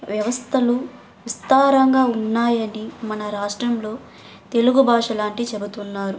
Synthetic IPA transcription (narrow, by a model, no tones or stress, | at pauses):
ʋjɐʋɐst̪ʰɐlu | ʋist̪aːɾɐŋɡaːunːaːjɐnimɐnɐɾaːʂʈɾɐmlo̞ː | t̪e̞luɡubʱaːʂɐlaːɳʈit͡ʃebut̪unːaːɾu